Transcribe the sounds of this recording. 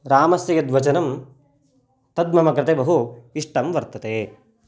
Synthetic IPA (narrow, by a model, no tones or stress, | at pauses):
ɾaːmɐsjɐjɐd̪ʋɐt͡ʃɐnɐm | t̪ɐd̪̚mɐmɐɡɾɐt̪ebɐɦuiʂʈɐmʋɐɾt̪ɐt̪eː